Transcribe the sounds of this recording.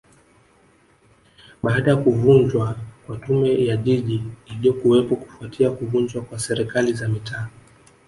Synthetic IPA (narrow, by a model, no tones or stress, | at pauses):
ɓaːɗajakuvund͡ʒwakwatumɛjaʄiʄiiliɔkuwɛpɔku̥fuatʰiakuvund͡ʒwakwasɛɾikalizamitʰaː